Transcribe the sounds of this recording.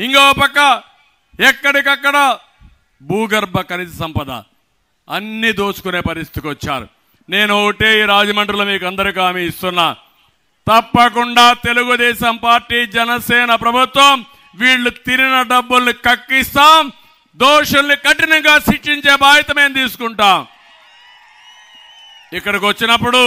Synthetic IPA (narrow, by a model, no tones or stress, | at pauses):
iŋkaːpɐkːɐ | ɛkːɐɽikɐkːɐɽɐ | buːɡɐɾbʱɐkɐnisɐsɐmpɐd̪ɐ̰ | ɐnːid̪oːsu̥kune̞ːpɐɾist̪it̪ikɔt͡ʃːa̰ːɾṵ | ne̞ːnuoːkɐʈeːiːɾaːd͡ʒɐmɐɳʈɾloːmiːkɐnd̪ɐɾikaːmiist̪unːaː | t̪ɐpːɐk̬uɳɖaːt̪e̞luɡud̪ɛːʃɐmpaːɾʈiːd͡ʒɛnɐsɛːnɐpɾɐbʱut̪ʋɐm | ʋiːɭːut̪iɾinɐɖɐbːulnikɐkːist̪aːm | d̪ɔːʂɐnːikɐʈinɐŋɡaːsiʂiɲt͡ʃe̞ːbaːɦɐt̪ɐmeːnt̪iːsu̥kuɳʈaːm | ikːɐɽɐkʋɐt͡ʃːinɐpːuɽu